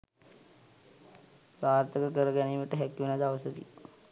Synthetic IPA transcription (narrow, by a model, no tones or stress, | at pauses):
saːɾt̪ʰəkəkəɾəɡɛnemiʈəɦɛkːiʋenad̪aʋəsəkḭ